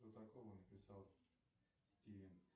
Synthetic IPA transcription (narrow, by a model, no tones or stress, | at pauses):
ot̪ɐkovənəpʲɪsɑlˠ | sʲtʲivʲɪn